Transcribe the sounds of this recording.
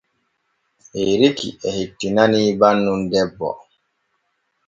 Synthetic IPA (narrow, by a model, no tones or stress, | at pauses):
ʔeɾikḭɛhitːinaniːbanːundɛbːɔ̰